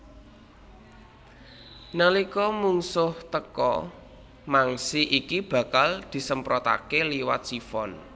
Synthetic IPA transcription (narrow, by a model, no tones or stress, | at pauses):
nəlikɔmuŋsʊht̪əkɔ̰ | maŋsiʔikib̥ä̤kald̪̥i̤səmpɾɔt̪a̰keliwa̰t̪̚sifɔn